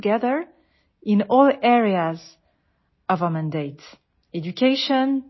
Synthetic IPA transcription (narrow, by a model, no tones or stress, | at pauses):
ɡɛðə˞ | ɪ̃nɔlˠɛɹiaz | ʌvəmæ̃ndeɪt | ɛd͡ʒukʰeɪʃɔ̃n